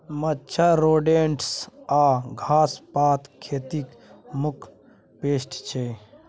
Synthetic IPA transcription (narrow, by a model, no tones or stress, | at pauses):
mət͡ʃʰaɾoːɖeːɳʈsaːɡʱaːspaːt̪kʰeːt̪ik | mukʰ | peːsʈt͡ʃʰe